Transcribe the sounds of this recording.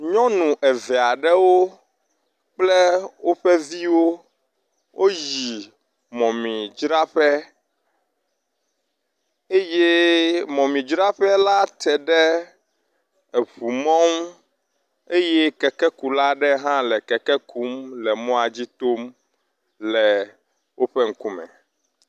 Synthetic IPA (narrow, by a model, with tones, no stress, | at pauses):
ɲɔ̃˦nũ˨ʔɛ˨vɛ˨a˨ɖɛ˦wo˦ | k͡plɛ˦wo˦ɸɛ˦vi˦wo˦ | wʔo˦ji˨ | mɔ̃˨mĩ˨d͡ʒɾa˦ɸɛ˦ | e˦je˦mɔ̃˨mĩ˨d͡ʒɾa˦ɸɛ˦la˦t̪ɛ˨ɖɛ˦ | e˨ɸu˨mɔ̃˦ŋ˦ | e˦je˦kɛ˨kɛ˦ku˨la˦ɖɛ˦ɦã˦lɛ˨kɛ˨kɛ˦kʰu˦mlɛ˨mɔ̃˦a˨d͡ʑi˦t̪o˦m | lɛ˨ | wʔo˦ɸɛ˦ŋ̩˦ku˦mɛ̰̃˨